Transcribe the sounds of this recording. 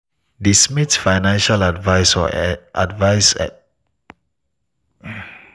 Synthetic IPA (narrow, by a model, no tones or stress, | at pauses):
dismitsfajnãnʃaladvajsɔ̰ʔa̰dvaɪsɛ̰